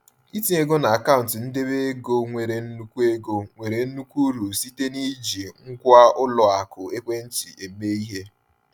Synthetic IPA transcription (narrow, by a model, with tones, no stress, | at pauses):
i˦ti˦e˦ɡo˦na˨a˨ka˦ʊ˨n̩˨tɪ˨n̩˦de˦βe˦e˦ɡo˦ŋʷe˨ɾe˨n̩˦nu˦kʷu˦e˦ɡo˦ŋʷe˨ɾe˨n̩˦nu˦kʷu˦ɾu˨si˦te˦ni˦d͡ʒi˨ŋ̩˦kʷa˦ʊ˦lɔ˨a˨kʊ˨e˦kʷe˦n̩˦t͡ʃi˨e˨me˦i˦ɦe˦